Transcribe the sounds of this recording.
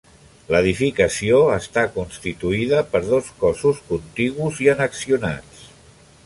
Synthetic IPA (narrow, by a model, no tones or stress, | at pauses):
ləðifikəsioəst̪akunst̪it̪uiðəpəɾðoskɔzuskunt̪iɣuziənəksiuna̰t͡s